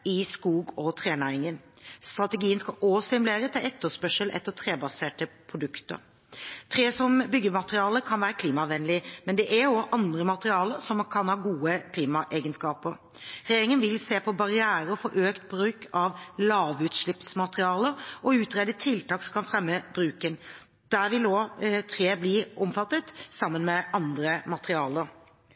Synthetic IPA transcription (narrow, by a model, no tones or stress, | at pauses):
ɪskuːɡɔt̪ʰʁeːnæɪŋənst̪ɾɑt̪əɡiːənskɑost̪ɪmʉleːɾət̪ʰɪlɛt̪ːəspœʂəlʔɛ̰t̪ːət̪ʰɾeːbɑseːʈəpʰɾʊd̪ʉkt̪ə̰ɾ | t̪ʰɾeːsɔmbʏɡːəmɑt̪ʁɪɑːləkʰɑnʋæːɾəkʰliːmɑʋɛnlɪmɛnd̪ɛʔæɔʔɑnd̪ɾəmɑt̪əʁɪɑːləɾsɔmkʰɑnhɑːɡuːəkʰliːmɑʔeːɡənskɑːpəɾ | ɾɛjeːɾɪŋənʋɪlseːpʰɔbɑɾɪæːɾəɔfɔɾʔøːkt̪̚bɾʉːkʰɑʋlɑːʋʉːt̪ʂɭɪpsmɑt̪ʁɪɑːləɾɔʉːt̪ɾed̪ət̪ʰɪlt̪ɑːksɔmkʰɑnfɾɛmːəb̥ɾʉːkən | d̪̥æʋɪlɔt̪ʰɾeːbliːʔɔmfɑt̪ːət̪sɑmːənmɛʔɑnd̪ɾəmɑt̪əʁɪɑːləɾ